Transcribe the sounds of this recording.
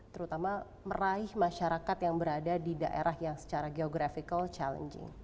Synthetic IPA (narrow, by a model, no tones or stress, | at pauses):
t̪əɾut̪ama | məraɪhmaʃaɾakat̪jaŋbəɾadadidaʔḛɾʔahjaŋsə̥t͡ʃaɾaɡeoɡɾafikalt͡ʃalə̰nd͡ʒɪ̰ŋ